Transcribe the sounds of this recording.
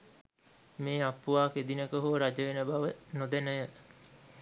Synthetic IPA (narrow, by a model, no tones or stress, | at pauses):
meːapːuʋaːked̪inəkəɦuɾad͡ʒəʋenəbaʋənod̪enəjə